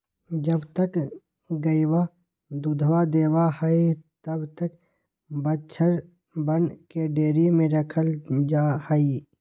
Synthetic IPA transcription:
d͡ʒəbt̪ək | ɡəiwa | d̪ud̪ʱwad̪eːwahəit̪əbt̪ək | bətːt͡ʃʰəɾ | bənkeɖeːɾimẽɾəkʰəld͡ʒaːhəi

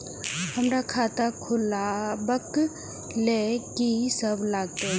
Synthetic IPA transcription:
həmɾakʰaːt̪akʰʊlabək | leːkisəblaːɡ̚t̪eɦɛ̃

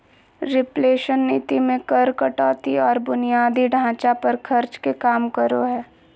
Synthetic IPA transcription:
ɾɪpleːʃənːiːt̪imẽkɐɾkəʈɔːt̪iɔːɾbʊnijaːd̪iɖʱãːt͡ʃapɐɾkʰɐɾt͡ʃkekaːmkəɾoɦɛː

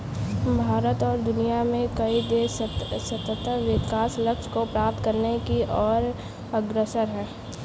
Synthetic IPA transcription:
bʱaːɾət̪ɔːɾd̪ʊnijamẽkɐid̪essət̪ːət̪əʋɪkaːslɐkʃkopɾaːp̚t̪kɐɾnekiʔɔːɾ | ɐɡɾəsəɾɦɛ̃ː

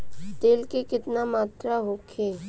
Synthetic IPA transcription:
t̪eːlkekɪt̪namaːt̪ɾaɦokʰeː

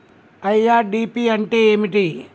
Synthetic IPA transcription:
ɐjaːɾɖiːpiɐɳʈeeːmiʈi

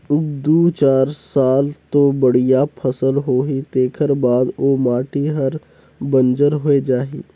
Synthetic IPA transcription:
ʊɡ̚d̪ut͡ʃaːɾsaːlt̪obəɽ̤ijapʰɐsəlɦoːɦit̪eːkʰəɾbaːd̪oːmaːʈiɦəɾ | bə̃nd͡ʒəɾɦoːed͡ʒaːɦiː

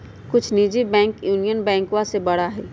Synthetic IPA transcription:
kʊt͡ʃʰniːd͡ʒibɛ̃ːŋkjuːnijənbɛ̃ːŋkwãsebɐɽaɦɛː

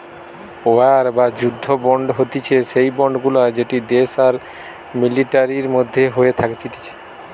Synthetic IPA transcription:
oaɾbad͡ʑud̪ʱːobɔɳɖɦot̪it͡ɕʰeʃejbɔɳɖɡulad͡ʑeʈid̪eʃaɾ | miliʈaɾiɾmod̪ʱːeɦoet̪ʰakt͡ɕʰit̪i̥t͡ɕʰe̥

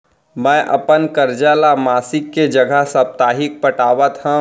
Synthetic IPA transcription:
mɛ̃ːʔɐ̰pənkəɾd͡ʒalamaːsɪkːed͡ʒəɡʱəɦsəb̚t̪aːɦɪk̚pəʈaːʋət̪ɦə̃

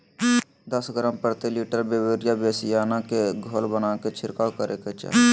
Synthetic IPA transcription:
d̪əsɡɾəmpəɾt̪iliːʈəɾbebeɾjabesijaːnakeɡʱolbənaːket͡ʃʰɪɾkakəɾʔeket͡ʃa̰

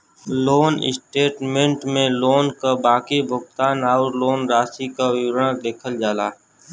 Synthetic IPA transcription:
loːnɪ̰sʈeːʈmẽɳʈmẽloːnkabaːkibʱʊɡt̪aːnaːɾloːnɾaːsikaʋɪwɾãd̪eːkʰəld͡ʒaːlaː

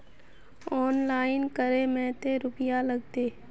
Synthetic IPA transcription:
ɔːnlaːɪnkəɾemɛ̃ːt̪eɾʊpɪjalɐɡ̚t̪eː

